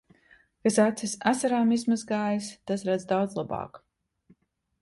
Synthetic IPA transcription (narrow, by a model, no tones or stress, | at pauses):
kasat̪sisasaɾaːmizmazɡaːjist̪asɾad̪zd̪awd̪zlˠabɑ̰ːk